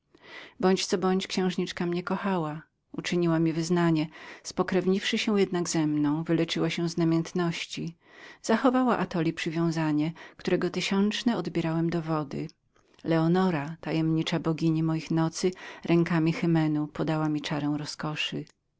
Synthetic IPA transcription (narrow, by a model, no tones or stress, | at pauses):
bɔɲt͡ɕt̪sɔbɔɲt͡ɕkɕɛ̃w̃ʐɲit͡ʂkamɲɛkɔxawa | ut͡ʂɘɲiwamʲivɘznaɲɛspɔkɾɛvɲifʂɘɕɛ̃jɛd̪naɡzɛmnɔ̃w̃vɘlɛt͡ʂɘwaɕɛ̃znamʲjɛnt̪nɔɕt͡ɕi | z̥axɔvawaʔat̪ɔlʲipʂɘvʲjɔ̃w̃zaɲɛkt̪uɾɛɡɔt̪ɘɕɔnt͡ʂnɛɔd̪bʲɛɾawɛmd̪ɔvɔd̪ɘ | lɛɔnɔɾat̪ajɛmɲit͡ʂabɔɡʲiɲimɔjixnɔt̪sɘɾʔɛŋkamʲixɘmɛnupɔd̪awamʲit͡ʂaɾɛ̃w̃ɾɔskɔʂɨ